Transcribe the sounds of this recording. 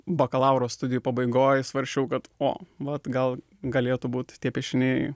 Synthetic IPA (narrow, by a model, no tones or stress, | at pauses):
bɐkɐlˠɐʊɾoːst̪ʊd̪ʲɪjuːpɐbɐɪɡoːjsʋɐɾʲʃʲt͡ʃʲɛʊkɐt̪o̰ːʋɐt̪ɡɐlˠ | ɡɐlʲeːt̪ʊbuːt̪tʲiɛpʲɛʃʲɪnʲe